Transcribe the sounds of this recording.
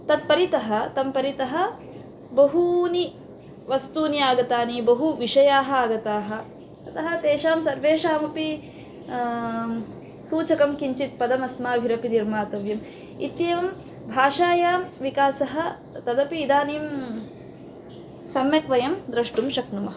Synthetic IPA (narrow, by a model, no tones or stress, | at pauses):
t̪ɐd̪̚pɐɾit̪ɐɦɐ̆t̪ɐmpɐɾit̪ɐɦɐ̆ | bɐɦuni | ʋɐst̪uːnijaːɡɐt̪aːniːbɐɦuʋiʃɐjaːɦɐaːɡɐt̪aːɦɐ̆ | ɐt̪ɐɦɐ̆t̪eːʃaːmsɐɾʋeːʃaːmɐpi | suːt͡ʃɐkɐmkiɲt͡ʃit̪̚pɐd̪ɐmɐsmaːbʱiɾɐpiniɾmaːt̪ɐʋjɐm | ḭt̪jɐːʋɐm | bʱaːʃaːjaːmʋikaːsɐɦɐ̆ | t̪ɐd̪ɐpiːd̪aːniːm | sɐmjɐkʋɐjɐmd̪ɾɐʂʈumʃɐknumɐɦɐ